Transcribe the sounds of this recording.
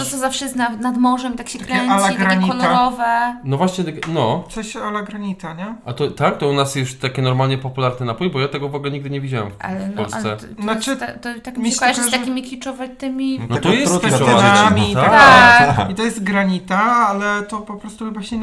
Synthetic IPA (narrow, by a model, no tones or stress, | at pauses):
t̪ɔt̪sɔzafʂɛjɛst̪nanad̪mɔʐɛmit̪akɕɛk̪kɾɛɛɲalaɡɾaɾaɲixɔlɔɾɾɔvɛnɔvwaɕɲɛnɔt̪sɔɕalaɡɾaɲit̪aɲɛʔat̪ɔt̪ak̚t̪ɔunasjɛst̪akʲɛnɔɾmalɲɛpɔpulaɾnɛnapujbɔjat̪ɛɡɔvɔɡulɛɲiɡd̪ɘɲɛvʲid͡ʑawɛ̰mfpa̰lɛnɔllsa̰lssɛɔt̪at̪ɔt̪akmkɛt̪akʲimʲikʲlʲit͡ʂɔvat̪ɪmʲinɔt̪ɔjɛɾuɔaamʲit̪aat̪ait̪ɔjɛst̪ɡɾaɲit̪aalɛt̪ɔpɔpɾɔst̪uxɨbaɕ